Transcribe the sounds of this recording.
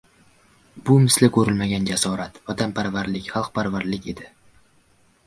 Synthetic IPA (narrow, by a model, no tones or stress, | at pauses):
bʊmɪslɪkʰɵɾɪlmaɡʲand͡ʒasɒɾat̪vɒt̪ʰampʰaɾvaɾlɪkʲχɑlˠqpʰaɾvaɾlɪkʲe̞d̪ɪ